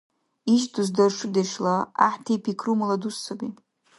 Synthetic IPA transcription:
iʃduzdarʂɨdaʂlaa̰ħtʰepʰikʰrumaladusːabi

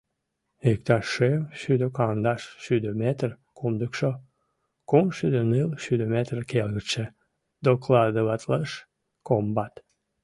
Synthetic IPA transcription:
ik̚t̪ɑʃːevʃyd̪əkɑnd̪ɑʃʃyd̪ømet̪r | kʰumd̪əkʃo | kumʃyd̪ənɨlʃyd̪ømet̪rkelɣət͡ʃe | d̪oklɑd̪əlɑt̪ləʃ | kombɑt̪

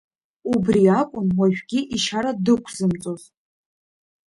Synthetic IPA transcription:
ubriakʷʼʊnwaʒᶣɡʲiʔiʃaɾadɨkʷʰz̥ɨmt͡sʼoz

